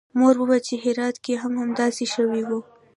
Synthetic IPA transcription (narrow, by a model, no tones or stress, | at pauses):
moɾbəbat͡ʃeɦɪɾɑt̪keɦamhamd̪ɑseʃəwiwu